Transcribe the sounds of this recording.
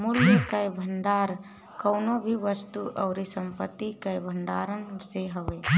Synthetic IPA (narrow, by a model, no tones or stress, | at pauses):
muljjəkajbʱəɳɖaːɾ | kəʊnobʱiʋəst̪uʔɔʊɾisəmpət̪ːikajbʱəɳɖaːɾənseɦəe